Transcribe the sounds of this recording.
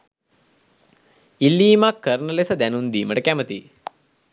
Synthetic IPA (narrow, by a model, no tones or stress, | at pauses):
ilːiːmakːəɾnəlesəd̪ænund̪iːməʈəkæmət̪ḭ